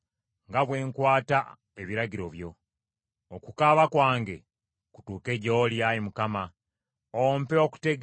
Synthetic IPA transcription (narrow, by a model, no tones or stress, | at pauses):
ŋɡaβwe̞ːŋkwaːta | eβiɾaɟiɾoβjo̞ | okukaβakwaːŋɡe̞̰ | ku̥tuːke̞ɟooljajimukama | ompeoku̥teɡ